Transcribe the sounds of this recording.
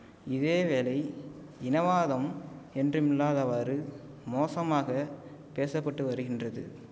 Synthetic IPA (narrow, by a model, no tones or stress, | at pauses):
ɪðeːʋeːlɐɪ | ɪnɐʋaːðɐmɛndrɯmɪlːaːðɐʋaːɾɯ | moːsɐmaːɣɐpeːsɐpːɐʈːɯʋɐɾɯɣɪndrɐðɯ̰